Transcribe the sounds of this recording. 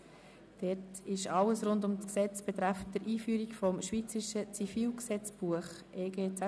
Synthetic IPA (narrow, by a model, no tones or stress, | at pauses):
d̥ɛtɪʃɑləsɾʊndʊmsksɛt͡sb̥ɛt̪ɾæfd̪əɾʔiːfyːɾikfɔmʃʋiːt͡səɾɪʃət͡sifiːlksɛt͡sb̥uəχ | ʔeːɡeːt͡sæ